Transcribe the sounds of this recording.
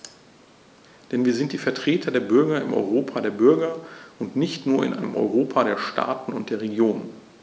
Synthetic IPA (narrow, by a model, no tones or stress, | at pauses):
d̥ɛnviːɐzɪnt̚d̥iːfɛɐtʁ̥eːtʰɐdeːɐbʏɐɡɐɪmʔɔ̰ʏʁoːpʰadeːɐbʏɐɡɐʔʊntnɪçtnuːɐɪ̰nʔaɪnəmʔɔ̰ʏʁoːpʰaɾeːɐʃta̰ːtn̩ʊnt̚d̥eːɐʁeɡjoːnən